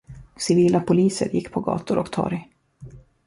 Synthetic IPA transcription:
sɪviːlapʰʊliːsə̰ɾjɪkːpʰɔɡɑ̰ːt̪ʊɾɔkt̪ʰɑ̰ːɾɪ

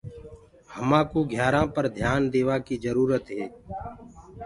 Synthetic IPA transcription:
həmãːkoːɡʱjaːɾãːpəɾd̪ʱjaːnd̪eːʋaːkiːzəɾuːɾət̪ɦeː

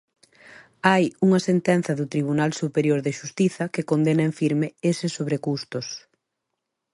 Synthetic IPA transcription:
ajuŋɐsent̪ɛnθɐðut̪ɾiβ̞unalsupeɾjoɾðɪʃust̪iθɐkekond̪enɐeɱfiɾmɪesɪsːoβɾekust̪ʊs

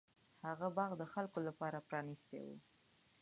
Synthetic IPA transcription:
haɣabɑɣd̪əxalkolapɑɾapɾɑnist̪ḛwṵ

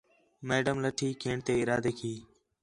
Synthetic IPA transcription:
meːɖəmləʈʰiːkʰeːɳt̪eːɪɾaːd̪eːkʰiː

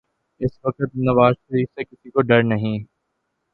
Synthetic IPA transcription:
ɪsʋɐkət̪̚nɐʋaːzʃɐɾiːfsekɪsikoɖɐɾnɐɦĩː

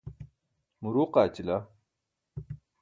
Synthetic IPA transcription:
muɾuːqaːt͡ɕila

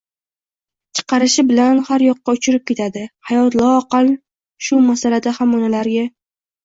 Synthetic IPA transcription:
t͡ʃʰɨ̥qʰɑɾɪʃɪbɪlanhaɾjɒqːɑʊt͡ʃʰɪɾɪp̚kʲʰe̞t̪ʰad̪ɪhajɒt̪lˠɒqɑl | ʃʊmasalad̪ahamɒnalaɾɡʲa

